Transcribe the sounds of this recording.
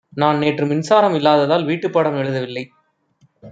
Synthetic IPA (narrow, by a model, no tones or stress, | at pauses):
naːnneːʈrɯmɪnsaːɾɐmɪlːaːðɐðaːlʋiːʈːɯpːaːɽɐmɛɻɯðɐʋɪlːɐɪ